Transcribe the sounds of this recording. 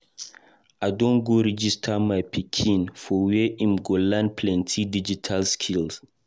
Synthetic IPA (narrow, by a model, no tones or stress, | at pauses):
ʔaɪdɔ̃nɡoɾid͡ʒistʰamajpʰikʰĩnfɔwɛĩmɡolãnpʰlɛ̃ntʰidid͡ʒitʰalskʰils